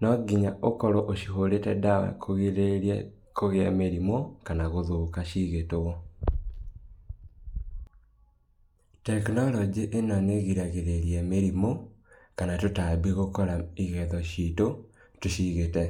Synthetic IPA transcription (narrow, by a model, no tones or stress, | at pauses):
nɔɡiɲaʔokɔɾɔʔoʃiɦoɾetɛdawa̰kʰoɣeɾe | koɣeɛmeɾimokanaɣoðokaʃiɣetoɣɔ | tɛknɔlɔd͡ʒiʔenɔneɣiɾaɣeɾeɾiɛmeɾimokanatotabiɣokɔɾaiɣɛðɔʃito | toʃiɣetɛ